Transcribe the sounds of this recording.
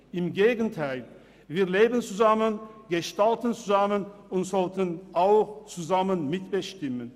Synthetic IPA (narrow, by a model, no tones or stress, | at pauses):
ɪmɡeːɡən̩tʰaɪl | viːɐleːbən̩t͡suzamənɡ̥əʃtaltən̩t͡suzamənʊntz̥ɔltənʔaʊxt͡suzamənmɪtb̥əʃtɪmən